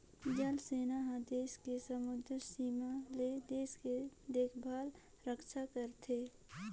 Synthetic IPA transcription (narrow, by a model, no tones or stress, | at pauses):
d͡ʒəlseːnaɦãd̪eːskesəmʊd̪ʱɾsiːmaled̪eːsked̪eːkʰbʱaːl | ɾəkʃakəɾt̪ʰeː